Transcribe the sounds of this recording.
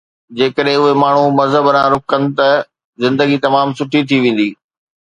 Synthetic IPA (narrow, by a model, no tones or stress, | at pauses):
d͡ʑeːkəɗɦɪ̃ʊɦemaːɳ̤umɐzɦəbɾãɾʊkənɪ̆t̪ɐ | zɪ̃nd̪əɡit̪ɐmaːmsʊʈʰit̪ʰiʋẽːn̆d̪iː